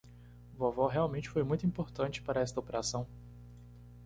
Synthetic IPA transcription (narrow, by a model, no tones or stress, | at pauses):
vavɔɦeawmẽnt͡ʃɪ̥fojmũj̃t̪uĩpoɾt̪ɐ̃nt͡ʃɪ̥paɾɐɛst̪ɐopeɾasɐ̃w̃